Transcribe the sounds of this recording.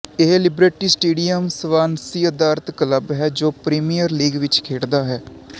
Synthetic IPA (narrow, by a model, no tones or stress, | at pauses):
eɦlɪbɾeːʈiːsʈeːɖijəmsʋaːnsiːəd̪aːɾət̪kələbɦɛːd͡ʒoːpɾiːmijəɾliːɡʋɪt͡ʃkʰeːɽd̪aːɦɛː